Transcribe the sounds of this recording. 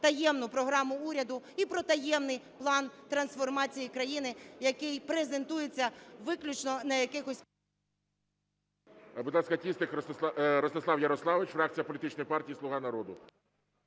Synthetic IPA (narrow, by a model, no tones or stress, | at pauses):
t̪ɐjɛmnʊpɾɔɦɾɑmʊuɾʲɐd̪ʊipɾɔt̪ɐjɛmnɪjplˠɑnt̪ɾɐnsfɔrmɑt͡sʲijikɾɐjinɪjɐkɪjpɾeze̞nt̪ujet͡sʲːɐʋɪklʲʊt͡ʃnɔnɐjɐkɪxɔsʲ | bʊd̪lˠɑskɐtʲist̪ɪk̪ɾɔst̪ɪslˠɑwjɐɾɔslˠɑʋɪt͡ʃfɾɑk̚t͡sʲijɐpɔlʲit̪ɪt͡ʃnɔjpɑrtʲijislˠʊɦɑnɐɾɔd̪ʊ